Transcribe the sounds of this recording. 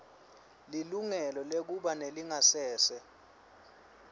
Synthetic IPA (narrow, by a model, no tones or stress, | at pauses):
liluŋɛlɔlek̬uɓaneliŋasɛːsɛ